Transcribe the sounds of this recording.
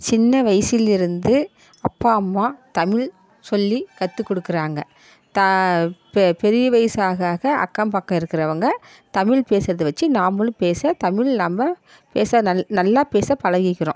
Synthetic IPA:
t͡ʃɪnːɐʋɐɪsɪlɪɾɯnd̪ɯ | ɐpːaːɐmːaːt̪ɐmɪɭ | sɔlːikɐt̪ːɯkːɔɽɯkːɪɾaːŋɡɐ | t̪ɐppɛɾɪjɐʋɐjsaːɣaːɣɐʔɐ̰kːɐmpaːkːɐ̃ɪɾɯkːɪɾɐʋɐŋɡɐ | t̪ɐmɪɭpeːsɾɐðɯʋɐt͡ʃːinaːmɯlɯpeːsɐt̪ɐmɪɭnaːmbɐ | peːsɐnɐnɐlːaːpeːsɐpɐɻɐɣɪkːɪɾõː

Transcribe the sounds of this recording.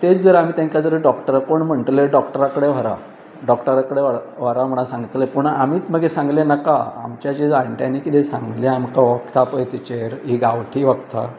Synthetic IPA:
t̪et͡sd͡zəɾam̤iːt̪jãŋkad͡zəɾəɖɔkʈəɾakoɳm̤əɳʈ̪leɖɔkʈəɾakəɽeʋ̤əɾa̰ | ɖɔkʈəɾakəɽeʋaʋ̤əɾam̤əɳ̃asãŋɡt̪lepuɳamiːt͡sməɡesãŋɡlenakaa̰mt͡ɕjat͡ɕid͡zajɳʈjanikit̪esãŋɡleamkaʋəkt̪apəjt̪it͡ɕeɾɦiɡaʋʈʰiːʋəkt̪ʰa̰

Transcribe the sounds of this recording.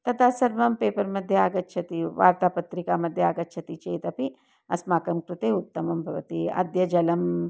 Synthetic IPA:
t̪ɐt̪ʰasɐɾʋɐmpeːpɐɾmɐd̪ʱjɐaːɡɐt̪̚t͡ʃʰɐt̪iʋaːɾt̪aːpɐt̪ɾikamɐd̪ʱːjɐaːɡɐt̪̚t͡ʃʰɐt̪it͡ʃeːt̪ɐpi | ɐsmaːkɐmkɾut̪eːut̪ːɐmɐmbʱɐʋɐ̰t̪iɐ̰d̪jɐd͡ʒɐlɐm

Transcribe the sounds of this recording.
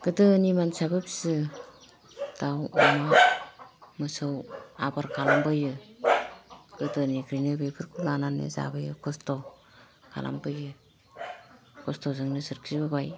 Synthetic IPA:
ɡ̥ɯdɯnimansabɯpsɯ | dawɔma | mɯsɯwabaɾkʰalambɯjɯ | ɡ̥ɯdɯnikʰɾinɯbepʰɯɾkʰulananḛza̰bɯjɯ̰kʰɔstɔ | kʰa̰lʔa̰mbɯjɯ | kʰɔstɔzɯŋnɯsɯɾkʰibɯbaj

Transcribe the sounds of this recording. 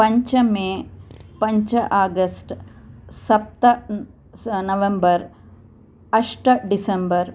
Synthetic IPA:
pɐɲt͡ʃɐmeːpɐɲt͡ʃɐʔaːɡɐsʈsɐp̚t̪ɐ | nɐʋembɐɾ | ɐʂʈɐɖisɐmbɐɾ

